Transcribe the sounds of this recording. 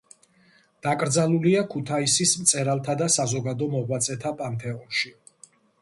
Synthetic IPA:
d̪̥akʼɾd̪zalˠuliakʰut̪ʰaisismt̪sʼɛɾalˠt̪ʰad̪asazɔɡad̪ɔmɔʁwat̪sʼɛt̪ʰapʼant̪ʰɛɔnʃi

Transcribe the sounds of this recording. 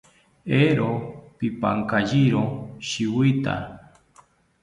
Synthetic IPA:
eɾopipa̰ŋkaʒiɾoʃiwɨt̪a̰

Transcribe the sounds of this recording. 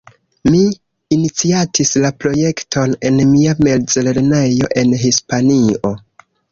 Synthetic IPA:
miː | nit͡siatʰislapɾo̞je̞ktʰo̞ne̞nmiame̞ld͡zle̞ɾnejo̞ʔe̞nɦispanio̞

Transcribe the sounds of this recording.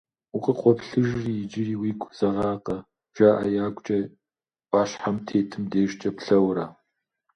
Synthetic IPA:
ʊqʼəqʷʼɔpɬɨʒriːjɪd͡ʒɪriːwiːɡʷʰʼz̥ɐʁɑːqɐ | ʒ̥aːʔɐ̰jaːɡʷt͡ʃʼɐ | ʔʼaːɕħamtʰeːtʰɨmdeːʒt͡ʃʼɐpɬɐwɾɐ

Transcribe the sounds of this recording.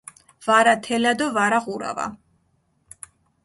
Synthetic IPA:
v̥aɾat̪ʰɛlad̪ɔvaɾaʁuɾa̰va̰

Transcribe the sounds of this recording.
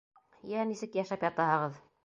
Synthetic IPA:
jænisɘkjæʃæpjɑt̪ɑɦɤʁɤð

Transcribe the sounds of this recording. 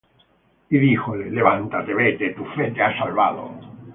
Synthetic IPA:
iðixoleleβant̪at̪eβet̪et̪ufet̪easalβa̰ðo̰

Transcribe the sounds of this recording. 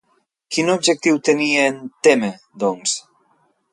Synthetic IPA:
kinobʒek̚t̪iwt̪enient̪eme | d̪ɔŋs

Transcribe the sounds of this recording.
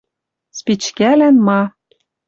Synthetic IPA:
spit͡ɕkælænmɑ

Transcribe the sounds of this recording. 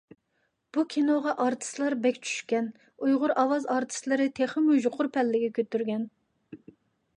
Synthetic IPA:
b̥ukʲʰinoʁɑʔɑɾt̪ʰɨ̥slˠɑɾbɛkʲt͡ʃʰy̥ʃkʲɛn | ujʁʊɾʔɑwɑzɑɾt̪ʰɨ̥slɪɾɪt̪ʰeχɪmuʒʊqʰʊɾpʰɛlːɪɡʲɛkʲʰøt̪ːyɾɡʲɛn

